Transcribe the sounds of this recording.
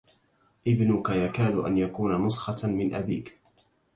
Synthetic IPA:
ʔɪbnʊkajakaːd̪ʊʔa̰njakuːnanʊsˤxɑmɪnʔabiːk

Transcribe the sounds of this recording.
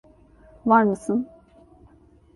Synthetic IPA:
vaɾmɯsɨn

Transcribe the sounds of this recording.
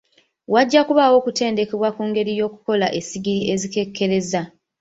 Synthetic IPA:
waɟːakuβawo̞ːkute̞ːnde̞ke̞βwakuːŋɡe̞ɾijo̞ːku̥ko̞laʔe̞siɡiɾie̞zike̞kʰːe̞ɾe̞za

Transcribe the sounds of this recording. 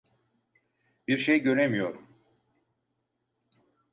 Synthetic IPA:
b̥iɾʃejɟø̞ɾemijo̞ɾum

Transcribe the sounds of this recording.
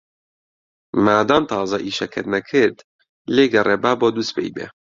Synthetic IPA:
maːd̪ɑːnt̪ʰɑːzɐʔiːʃɐkʰɨ̰ɾnɐkʰɨɾd̪ | leːɡɛrʔeːbaːboːd̪uːst̪̚pʰḛːjbḛ

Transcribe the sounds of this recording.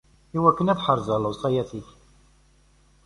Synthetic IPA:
iwækːənæθħəɾˤzəlˤːʊsˤɑjæθiç

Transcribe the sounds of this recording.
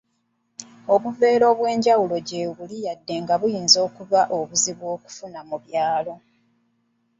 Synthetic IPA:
o̞βuve̞ːɾo̞βwe̞ːɲɟawulo̞ɟeβulijadːe̞ŋɡaβujiːnzo̞ːkuβaʔo̞βuziβwo̞ːku̥funamuβjaːlo̞

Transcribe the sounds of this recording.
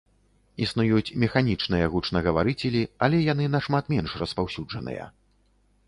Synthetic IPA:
isnujut͡sʲmʲɛxanʲit͡ʂnɨjɐɣut͡ʂnɐɣɐvaɾɨt͡sʲɛlʲiɐlʲɛjan̪ɨnɐʂmat̪mʲɛnʂrɐspawsʲud͡ʐɐnɨ̰jɐ̰

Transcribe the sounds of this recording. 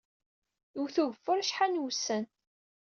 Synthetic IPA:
ʊwθuʝfʊɾʃħanwsən

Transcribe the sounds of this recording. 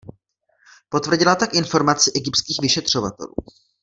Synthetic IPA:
po̞t̪vr̩ɟɪlat̪akʔɪnfo̞ɾmat͡sɪʔɛɡɪptskiːxvɪʃɛt̪r̝̥o̞va̰t̪ɛ̰lṵː

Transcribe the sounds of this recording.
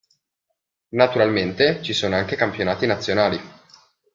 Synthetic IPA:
nat̪uɾalment̪et͡ʃisoːnoaŋk̟ekampjonaːt̪inat̪sːjonaːli

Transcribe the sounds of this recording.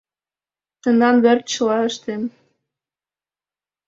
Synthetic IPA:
t̪ə̆nɑnβert̪̚t͡ɕəlɑəʃt̪em

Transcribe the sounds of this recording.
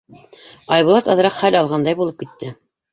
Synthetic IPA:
ɑjβulˠɑt̪ɑðɤ̆ɾɑqχælɑlˠʁɑnd̪ɑjbulˠɤp̚kit̪ːɘ

